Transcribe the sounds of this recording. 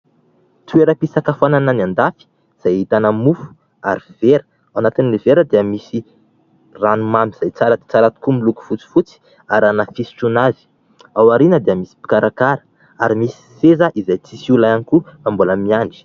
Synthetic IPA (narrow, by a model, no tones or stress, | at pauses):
t̪ueɾəpisakafanananand̪afi̥ | z̥ajit̪anəmufu̥ | aɾiv̥eɾə̥ | anat̪iniliveɾəd̪eəmisi | ranumamiz̥ajt͡saɾat̪i̥t͡saɾat̪i̥kumiluku̥fut͡si̥fut͡si̥ | aɾanafisi̥ʈ͡ʂunazi̥ | awaɾinəd̪eəmisi̥pi̥kaɾʔakaɾə̥ | aɾimisi̥sezəʔizajt͡sisiulaanikuambuləmiaɳɖ͡ʐi̥